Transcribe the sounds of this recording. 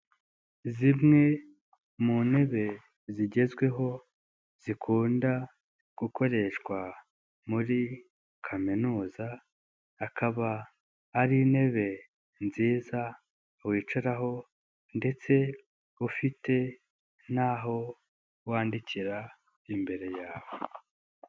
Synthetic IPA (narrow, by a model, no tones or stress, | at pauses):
zimŋe̞ | mune̞βe̞ | ziɟe̞zɡwe̞ɦo̞ | z̥ikʰuːnda | ɡ̥uko̞ɾe̞ʃkwa | muɾi | kʰaminuːzaː | kʰaβaː | ɾiːne̞βe̞ | nziːza | wiːt͡ʃuɾaɦo̞ | nde̞t͡se̞ | ufite̞ | n̥aɦo̞ | waːndiciɾa | imbe̞ɾe̞jaːwo